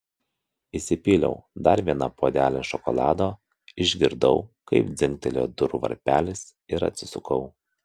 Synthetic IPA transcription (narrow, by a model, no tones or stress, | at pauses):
isʲɪpʲiːlʲɛ̰ʊd̪ɐɾʋʲiɛnɐpoːd̪ʲæːlʲɛʃɔkɔlˠɑːd̪oː | ɪʒʲɡʲɪɾd̪ɐʊkɐɪpd̪zʲɪmʲt̪ʲɛlʲo̰ːd̪ʊɾʊʋɐ̰ɾʲpʲæːlʲɪs | ɪɾɐ̰t̪ʲsʲɪsʊkɐʊ